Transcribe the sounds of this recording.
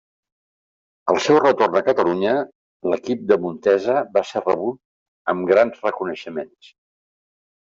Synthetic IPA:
əlˠsɛwrət̪ornəkət̪əluɲə | ləkip̚d̪əmunt̪ɛzəβasɛrəβut̪̚ | əmɡɾanzrəkunəʃəmens

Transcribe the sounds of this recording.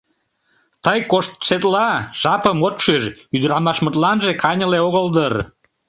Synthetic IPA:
t̪əjkoʃt̪ʃet̪lɑʒ̥ɑpəmot̪ʃyʒyd̪əɾɑmɑʃmət̪lɑnʒekɑnʲəleoɣəld̪ər

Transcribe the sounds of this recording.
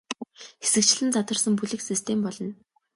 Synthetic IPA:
xesɘ̆kt͡ɕɮɘ̆nt͡sat̪wə̆rsə̆mp̬uɮɘ̆ksist̪ʰempɔɮɞ̆n

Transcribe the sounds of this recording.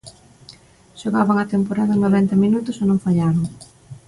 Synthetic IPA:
ʃoɣaβaŋɐt̪empoɾaðɐnoβɛnt̪ɐminut̪ʊsonõŋfaʎaɾoŋ

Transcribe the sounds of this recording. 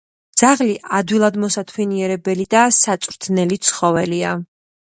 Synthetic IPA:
d̪z̥aʁliʔad̪wilˠad̪mɔsat̪ʰwɛniɛɾɛbɛlid̪asat̪sʼɾt̪ʰnɛlit̪sʰχɔvɛlia

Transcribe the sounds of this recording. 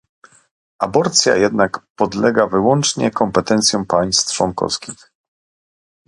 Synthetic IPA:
ʔabɔɾt̪sʲja̰jɛd̪nakpɔd̪lɛɡavɘwɔnt͡ʂɲɛ̰kɔmpɛt̪ɛnt̪sjɔ̃w̃paj̃st̪t͡ʂwɔŋkɔ̰fskʲix

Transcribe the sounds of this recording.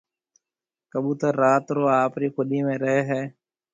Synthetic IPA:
kəɓũːt̪aːɾaːt̪ɾoːaːpɾiːkʰʊɗiːmẽːɾəɦeːɦɛː

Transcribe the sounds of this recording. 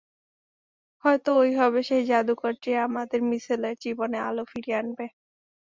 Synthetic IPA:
hɔet̪oojɦɔβeʃejd͡ʑad̪ukoɾʈiamad̪eɾmisileɾd͡ʑibonea̰lofiɾianbe

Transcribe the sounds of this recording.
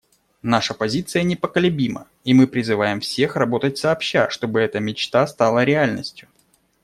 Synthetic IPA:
naʂəpɐzʲit̪sɨjənʲɪpəkəlʲʊbʲimə̰ | imɨpɾʲɪzɨvajɪmfsʲe̞xrɐbo̞t̪ət̚ʲsɐːpɕːaʂt̪o̞bɨɛt̪əmʲɪt͡ɕt̪ast̪alˠəɾʲɪalʲnəsʲtʲjʊ

